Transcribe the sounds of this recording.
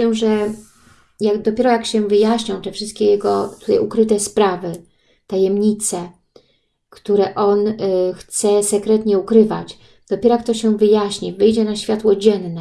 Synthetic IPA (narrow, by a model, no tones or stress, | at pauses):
ɛʐɛ | jaɡd̪ɔpʲjɛɾɔjakɕɛ̃vɘjaɕɲɔ̃w̃t̪ɛfʂɘst̪̚kʲeɛjɛɡɔt̪u̥t̪a̰jukɾɘt̪ɛspɾavɘ | t̪ajɛmɲit̪sɛ | kt̪uɾɛʔɔnxt̪sɛsɛkɾɛt̪ɲɛukɾɘvat͡ɕ | d̪̥ɔpʲɛɾɔjak̚t̪ɔɕɛ̃vɘjaɕɲivɘjd͡ʑɛnaɕfʲjat̪wɔd͡ʑɛnːɛ